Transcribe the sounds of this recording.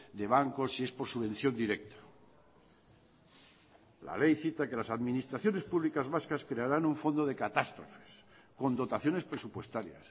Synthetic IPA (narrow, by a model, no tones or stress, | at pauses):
d̪e̞β̞aŋko̞sie̞spoɾsuβ̞ẽ̞nθjo̞nd̪iɾek̚t̪o̥ | la̰lejθit̪ake̞lasaðmĩnist̪ɾaθjo̞ne̞spuβlikazβaskaskɾe̞aɾanuɱfo̞nd̪oð̞e̞kat̪ast̪ɾofe̥s | ko̞nd̪o̞t̪aθjo̞nespɾesupwe̞st̪aɾja̰s